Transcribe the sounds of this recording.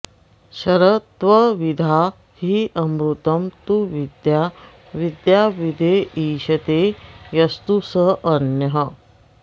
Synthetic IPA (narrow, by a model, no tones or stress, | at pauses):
ɕɐɾət̪ʋɐʋid̪ʱa | hiʔɐmɾut̪əmt̪uʋid̪ja | ʋid̪jaʋid̪ʱeiːɕɐt̪ejɐst̪usəɐnjɐɦə